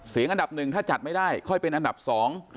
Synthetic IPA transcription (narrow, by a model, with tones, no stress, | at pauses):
si˨˩˦ŋʔnda˨˩p̚nɯ˨˩ŋt̪ʰaː˥˩t͡ɕa˨˩t̪̚ma˥˩jdaː˥˩jkʰɔ˥˩jpe˧nʔa˧nda˨˩p̚sɔː˩˦ŋ